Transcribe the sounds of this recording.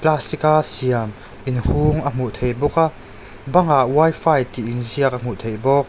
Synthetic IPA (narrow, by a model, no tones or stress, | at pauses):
plasikasiɐm | ʔinhuːŋɐm̥uʔt̪ʰejbɔka | bɐŋaʔwɐjfajt̪iʔinziək̚ɐm̥uʔt̪ʰejbɔk̚